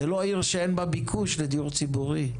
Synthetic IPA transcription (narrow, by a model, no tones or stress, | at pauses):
eloaiʁʃeenbabikʰuʃled̪ijuʁt͡sibuʁi